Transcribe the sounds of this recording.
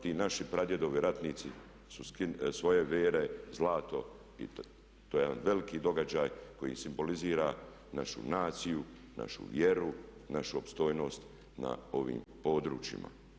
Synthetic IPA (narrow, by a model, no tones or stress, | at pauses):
t̪iːnaʃipɾad̪je̞d̪o̞ʋiɾat̪niːt̪si | suskisʋo̞je̞ʋeːɾe̞zlˠaːt̪o̞ | ḭ | t̪oːjeanʋe̞likiːd̪o̞ɡad͡ʒaːjkojḭsimbo̞liziːɾa | naʃṵnaːt̪siju | na̰ʃṵʋjeɾunaʃuopst̪o̞jno̞ːst̪ | na̰o̞ʋḭːmpo̞ːd̪ɾṵːt͡ʃḭma̰